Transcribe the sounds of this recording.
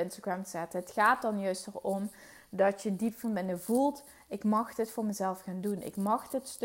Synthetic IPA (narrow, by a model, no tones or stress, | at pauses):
ɪnstaɡɹamzɛtəɦətxaːt̚dɑnjœɥstərɔm | dɑtjədipfɑnbɪnəɹvulˠt | ɪkmɑxdətfʊːɹməzɛlˠfxaːndunʔɪ̰kmɑxdətst